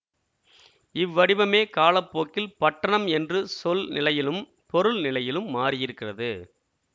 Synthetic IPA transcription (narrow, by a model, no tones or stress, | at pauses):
ɪʋːɐɽɪʋɐmeːkaːlɐpːoːkːɪlpɐʈːɐɳɐmɛndrɯsɔlnɪlɐjɪlɯm | pɔɾɯlnɪlɐjɪlɯmːaːrɪjɪɾɯkːɪrɐðɯ